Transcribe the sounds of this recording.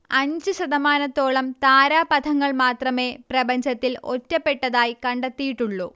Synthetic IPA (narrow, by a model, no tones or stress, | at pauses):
ɐɲd͡ʑɨɕɐðɐmaːnɐt̪ːo̞ːɭɐmt̪aːɾaːpɐd̪ʰʱɐŋːɐɭmaːt̪rɐme̞ːprɐbɐɲd͡ʑɐt̪ːilo̞̰tːɐpːe̞ʈːɐðaːjkɐɳɖɐt̪ːijiʈːuɭːu